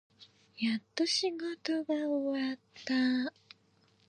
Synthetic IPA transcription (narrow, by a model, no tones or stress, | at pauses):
jat̪ːoɕiɡo̞t̪oɡaowat̪ːa